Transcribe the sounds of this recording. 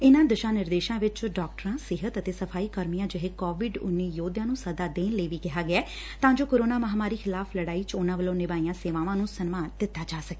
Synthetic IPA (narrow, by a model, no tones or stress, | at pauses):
ɪnãːd̪əʃãːnɪɾd̪eːʃãːʋɪt͡ʃɖɔːk̚ʈəɾãːsɪɦət̪ət̪eːsəpʰaːiːkəɾmijãːd͡ʒəɦeːkɔːʋɪɖʊ̰nːiːjoːd̪jãːnũːsəd̪aːd̪eːnləːʋiːkɪɦaːɡɪɛː | t̪ãːd͡ʒoːkəɾoːnaːməɦaːmaːɾiːkʰɪlaːpʰləɽaːiːt͡ʃonãːʋəlõːnɪʋaːijãːseːʋaːʋãːnũːsənmaːnd̪ɪt̪ːaːd͡ʒaːsəke̥ː